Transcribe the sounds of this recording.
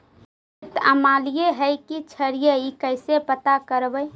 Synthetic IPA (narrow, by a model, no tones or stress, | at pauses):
t̪ə̰malijeɦəɪkit͡ʃʰəɾijəikəɪsepət̪akəɾbəj